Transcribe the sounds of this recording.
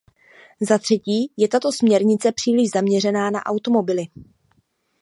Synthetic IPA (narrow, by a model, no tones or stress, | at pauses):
zat̪r̥ɛciːjɛt̪at̪o̞smɲɛɾɲɪt͡sɛpr̝̥iːlɪʒzamɲɛr̝ɛnaːna̰ʔawt̪o̞mo̞bɪlɪ